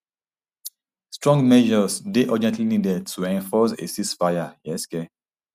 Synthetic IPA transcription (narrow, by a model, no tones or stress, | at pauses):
stɹɔ̃ŋɡmɛʒɔsdeʔɔd͡ʒɛ̃ntlinidɛd̚tʰuɛ̃nfɔsḛsispajajɛskɛ